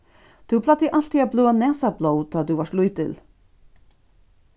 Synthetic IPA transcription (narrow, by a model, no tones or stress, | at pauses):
t̪ʰupʰlat̪iʔal̥t̪ʰiabluːanɛːsabloːwt̪ʰɔːt̪uvar̥t̪lujt̪ɪ̰l